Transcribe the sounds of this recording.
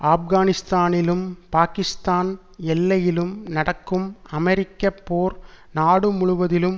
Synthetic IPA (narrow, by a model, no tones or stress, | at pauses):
aːfɣaːnɪst̪aːnɪlɯmpaːkɪst̪aːn | ɛlːɐjɪlɯmnɐɽɐkːɯmɐmɛɾɪkːɐpːoːɾ | naːɽɯmʊɻʊʋɐðɪlɯm